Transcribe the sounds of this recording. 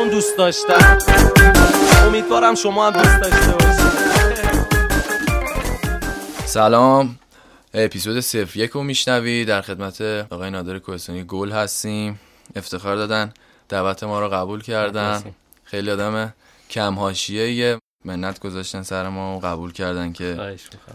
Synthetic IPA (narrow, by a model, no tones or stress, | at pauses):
und̪ust̪̚d̪ɒʃt̪æ | omid̪vɒːɾæmʃomɒːhæmd̪ust̪d̪ɒʃt̪ebɒʃi | sælɒːm | epʰisod̪e̞se̞fɾje̞cʰumiːʃnæviːd̪æɾxe̞d̪mæt̪ʰeɒːɣːjenɒːd̪eɾekʰo̞hest̪ɒːnijeɡolhæst̪iːm | e̞ft̪ʰe̞xɒːɾd̪ɒːd̪æn | d̪̥ævæt̪ʰe̞mɒːɾɔɣæbulcʰæɾd̪æn | xe̞jliɒːd̪æme | cʰæmɦɒːʃijeje | me̞nːæt̪ʰɡ̥o̞zɒːʃt̪ænsæɾemɒːoɣæbuːlcʰæɾd̪æncʰe̞